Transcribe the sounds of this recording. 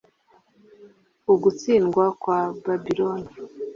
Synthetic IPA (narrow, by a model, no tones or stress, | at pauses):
uɡut͡siːnɡwakwababiɾoni